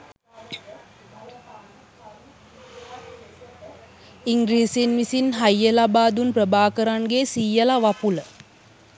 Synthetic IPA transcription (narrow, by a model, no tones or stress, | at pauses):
iŋɡɾiːsinʋisinɦajːəlabaːd̪unprəbaːkəɾaŋɡesiːəlaʋapulə